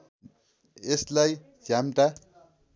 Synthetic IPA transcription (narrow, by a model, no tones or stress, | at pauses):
eslaj | djamʈa